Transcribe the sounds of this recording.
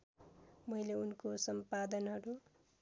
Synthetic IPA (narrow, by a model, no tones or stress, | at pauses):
mʌjleunkosʌmpad̪ʌnɦʌɾu